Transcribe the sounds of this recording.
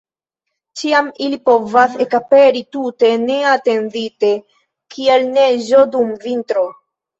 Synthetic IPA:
t͡ʃiamilipo̞vasekape̞ɾitute̞ne̞ate̞ndite̞ | kie̞lne̞ʒo̞dumvintɾo

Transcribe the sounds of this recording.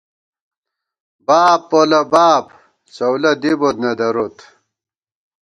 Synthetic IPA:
baːpːolɐbaːb | t͡sɐwlɐd̪ibot̪nɐd̪ɐɾot̪

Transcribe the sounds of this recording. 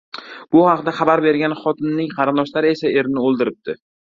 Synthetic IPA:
b̥ʊhɑqd̪aχɑbaɾbe̞ɾɡʲanχɒt̪ʰɪnːɪŋqʰɑɾɪnd̪ɒʃlaɾɪe̞sae̞ɾnɪolˠd̪ɪɾɪp̚d̪̥ʰɪ

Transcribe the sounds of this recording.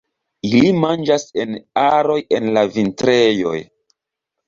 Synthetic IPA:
ilimand͡ʒase̞naɾo̞je̞nlavintɾejo̞̰j

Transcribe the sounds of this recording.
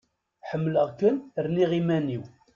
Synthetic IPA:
ħəmːləʁkənɾniʁimæniw

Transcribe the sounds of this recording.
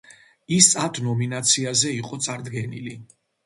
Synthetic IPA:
isat̪ʰnɔminat̪sʰiazɛiqʼɔt̪sʼaɾd̪ɡɛnili

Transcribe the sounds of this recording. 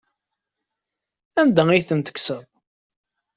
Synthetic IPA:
ænd̪æiθənt̪ə̥ksəðˤ

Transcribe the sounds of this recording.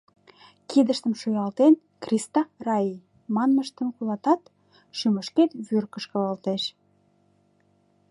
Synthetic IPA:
kid̪əʃt̪əmʃojɑlt̪en | krʲist̪ɑrɑi | mɑnməʃt̪ə̆mkulɑt̪ɑt̪ | ʃyməʃket̪βyrkə̆ʃkə̆əlt̪eʃ

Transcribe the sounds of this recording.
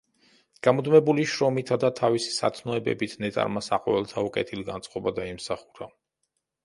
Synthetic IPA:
ɡ̥amɔd̪mɛbuliʃɾɔmit̪ʰad̪at̪ʰavisi̥sat̪ʰnɔɛbɛ̰bit̪ʰnɛt̪ʼa̰ɾmasaqʼɔvɛlˠt̪ʰaukʼɛ̰t̪ʰiliɡant̪sʼqʼɔbad̪aimsaχuɾa

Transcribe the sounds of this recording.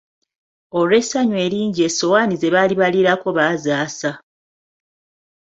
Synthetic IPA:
oɾe̞saɲwe̞ːɾiːɲɟieso̞waːnizeβaːliβaliɾako̞βaːzaːsa

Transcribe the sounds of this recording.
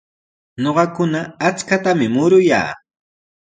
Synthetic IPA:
ɲoɢɑkʊnaːt͡skat̪amɪmʊɾʊja̰ː

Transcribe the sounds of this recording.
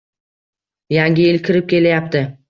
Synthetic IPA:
jaŋɡʲɪjɪlkʲʰɪɾɪp̚kʲʰe̞lajap̚t̪ʰɪ

